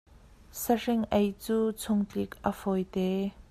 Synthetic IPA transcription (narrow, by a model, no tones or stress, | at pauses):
sɐrɪŋʔejt͡suːt͡sʰʊŋt͡ɬikʔə̰fɔjt̪ɛː